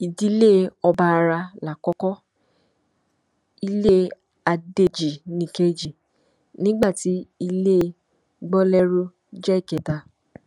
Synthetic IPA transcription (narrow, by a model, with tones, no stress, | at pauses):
i˨di˨˦le˦˨˧ɔ˧ba˧ɾa˧la˨kɔ˦kɔ˦ | i˧le˦ | a˧de˧d͡ʒi˨nĩ˨ke˧d͡ʒi˨ | nĩ˦ɡ͡ba˦˨ti˨˦i˧le˦˧˦ | ɡ͡bɔ˦lɛ˦ɾu˦ | d͡ʒɛ˦i˦˨kɛ˨ta˧˨